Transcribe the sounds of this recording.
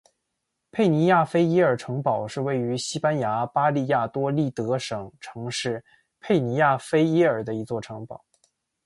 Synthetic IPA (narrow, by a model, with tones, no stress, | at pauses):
pʰe˥˩ɪni˧˥ja˥˩fe˥ɪi˥ə˞˨˩ʈ͡ʂʰɤ˧˥ŋpɑ˨˩ʊʂɻ̩˥˧we˥˩ɪy˧˥ɕi˥pa˥nja˧˥pa˥li˥˧ja˥˩t̪wɔ˥li˥˩t̪ɤ˧˥ʂɤ˨˩ŋʈ͡ʂʰɤ˧˥ŋʂɻ̩˥˧ | pʰe˥˩ɪni˧˥ja˥˩fe˥ɪi˥ə˞˨˩d̪ə˦i˧˥t͡swɔ˥˩ʈ͡ʂʰɤ˧˥ŋpɑ˨˩˦ʊ